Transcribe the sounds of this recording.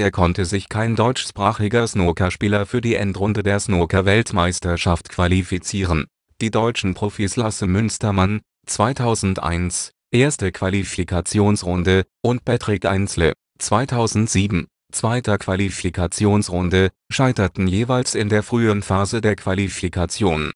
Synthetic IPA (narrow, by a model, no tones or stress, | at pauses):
ʔeːɐkʰɔntəzɪçkʰaɪndɔʏt͡ʃʃpʁ̥aːχɪɡɐɐsnoːtʰɐʃpiːlɐfyːɐdiːʔɛntʁʊndədeːɐsnoːtɐvɛltmaɪstɐʃaftkv̥alifit͡siːʁən | d̥iːdɔʏt͡ʃn̩pʁ̥ofislasəmʏnstɐman | t͡sv̥aɪtʰaʊzn̩tʔa̰ɪns | ʔeːɐstəkv̥alifikʰat͡sjoːnsʁʊndəʔʊnt̚b̥ɛtʁ̥ikʔa̰ɪnslə̰ | t͡sv̥aɪtʰaʊzn̩tz̥iːbm̩ | t͡sv̥aɪtɐkv̥alifikʰat͡sjoːnsʁʊndə | ʃaɪtɐtn̩jeːvaɪlsɪndeːɐfʁ̥yːəʁənfaːzədeːɐkʰv̥alifikʰat͡sjoːn